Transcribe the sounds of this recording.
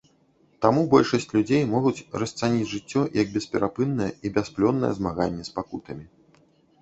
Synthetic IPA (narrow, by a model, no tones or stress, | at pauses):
t̪amubɔlʲʂɐsʲt͡sʲlʲud͡zʲejmɔɣut͡sʲrɐst̪sanʲid͡zʲʐɨt͡sʲːɔjʔɐɡ̚bʲɛspʲɛɾapɨnːɐjɛ̰ibʲasplʲɔnːɐ̰jɛ̰zmaɣanʲːɛspakut̪ɐmʲi